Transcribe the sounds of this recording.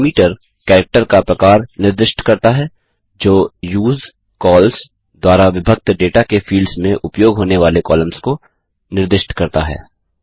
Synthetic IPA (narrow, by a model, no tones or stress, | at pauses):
miːʈəɾ | kɛːɾək̚ʈəɾkapɾɐkaːɾnɪɾd̪ɪʃʈʰkɐɾt̪aɦɛː | d͡ʒoːjuːz | kɔːls | d̪waːɾaʋɪbʱək̚t̪ɖeːʈakefiːlɖsmẽʔʊpjoːɡɦoːneʋaːlekɔːləmsko | nɪɾd̪ɪʃʈkɐɾt̪a̰ɦɛ̰ː